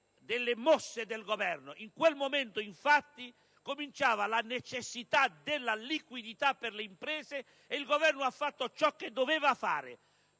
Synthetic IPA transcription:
d̪elːemɔsːed̪elɡovɛrnoʔiŋkwelmoment̪oiɱfat̪ːi | komint͡ʃaːvalanet͡ʃesːit̪ad̪elːalikwid̪it̪apːerleimpɾɛːzeː | ilɡovɛrnoafːat̪ːot͡ʃɔkːed̪ːovɛːvafa̰ːɾɪ̰

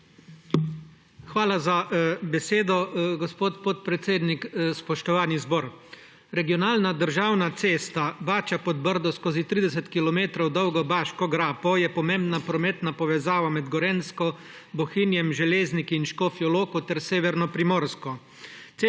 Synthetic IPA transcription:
xʋaːlazabɛseːd̪ɔɡɔspoːt̪pɔt̪̚pɾɛt̪seːd̪nikspɔʃt̪ɔʋaːnizbɔːɾ | ɾɛɡiɔnaːlnad̪əɾʒaːwnat̪seːst̪abaːt͡ʃapɔd̪bəɾd̪ɔskoːzit̪ɾiːd̪ɛs̬ɛt̪kilɔmeːt̪ɾɔwd̪ɔwɡɔbaːʃkɔɡɾaːpɔjɛpɔmembnapɾɔmɛːt̪napɔʋɛzaːʋamɛd̪ɡɔɾenskɔ | bɔxinjɛmʒɛleːznikiinʃkoːfjɔloːkɔt̪ɛɾseːʋɛɾnɔpɾimɔːɾskɔ | t̪se

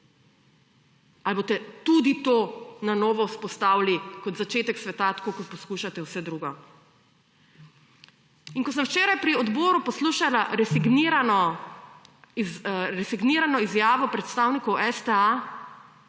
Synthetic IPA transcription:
albot̪ɛt̪ud̪it̪onanɔːʋɔuspɔst̪aːwlikɔd̪zat͡ʃeːt̪ɛksʋɛt̪at̪ḁkokɔpɔskuʃat̪ɛwsɛd̪ɾuːɡɔ | iŋkɔs̬əmwt͡ʃeːɾajpɾiɔd̪bɔːɾupɔsluːʃalaɾɛsiɡniɾanɔ | ɾɛsiɡniːɾanɔizjaːʋɔpɾɛt̪st̪aːwnikɔwʔɛst̪ɛa

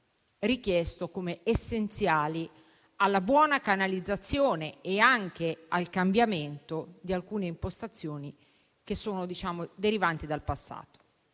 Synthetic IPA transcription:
rik̟jɛst̪okomeesːent̪sjaːli | alːabwɔːnakanalid̪zːat̪sːjoːneːaŋk̟ealkambjament̪od̪ialkuːneimpost̪at̪sːjoːni | k̟esːoːnod̪it͡ʃaːmod̪eɾivant̪id̪alpasːa̰ːt̪o̥

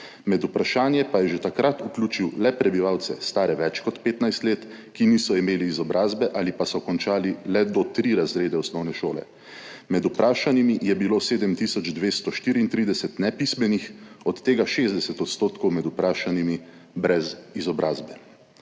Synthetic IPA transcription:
mɛd̪upɾaʃaːnjɛpajɛʒet̪akɾat̪uklʲuːt͡ʃiwlɛpɾɛbiʋawt̪sɛ̰st̪aːɾɛʋɛt͡ʃkɔt̪peːt̪najst̪leːt̪ | kinisɔimeːliːzɔbɾʔaːzbɛʔalipasɔkɔnt͡ʃaːlilɛd̪ɔt̪ɾiɾazɾeːd̪ɛɔsnɔwnɛʃoːlɛ̰ | mɛd̪upɾaːʃanimijɛbiloːseːd̪əmt̪isɔd͡ʒd̪ʋeːst̪ɔʃt̪iːɾiːnt̪ɾid̪ɛsɛt̪nɛpismɛnixɔt̪ːeːɡaʃeːzd̪ɛsɛt̪ɔt̪st̪oːt̪kɔwmɛd̪upɾaːʃanimi | bɾɛzizɔbɾʔaːzbɛ

